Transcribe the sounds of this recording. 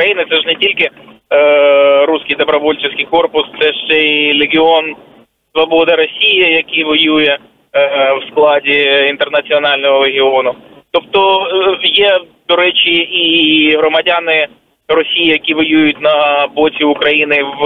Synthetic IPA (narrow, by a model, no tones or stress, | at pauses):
kɾɐjinɪt̪sɛʒnetʲilʲkɪ | ɾusʲkɪjd̪ɔbɾɔʋɔlʲt͡ʃɪsʲkijkɔrpʊst̪sɛʃt͡ʃɛlʲeɡʲɪon | sʋɐbɔd̪ɐɾɔsʲijɐjɐkijʋɔjujɛ | wsklˠɑdʲiint̪ernɐt͡sʲiɔnɑlʲnɔɦɔleɦʲɪonʊt̪ɔp̚t̪ɔjɛd̪ɔɾɛt͡ʃʲiiɦɾɔmɐdʲanɪ | rɔsʲijijɐkʲiʋɔjujʊt̚ʲnɐbɔtʲiʊkɾɐjinɪʋ